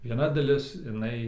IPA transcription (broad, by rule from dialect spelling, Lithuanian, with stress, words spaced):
ʋʲiɛˈnɐ dɐˈlʲɪs ɪˈnɐɪ